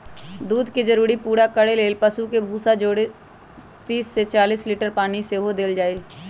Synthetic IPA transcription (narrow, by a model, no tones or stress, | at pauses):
d̪uːd̪ked͡ʒəɾuːɾipuːɾakəɽeleːlpəsukebʱuːsad͡ʒoːɽe | t̪iːsːet͡ʃaːliːsliːʈəɾpaːniseɦod̪eːld͡ʒaːeː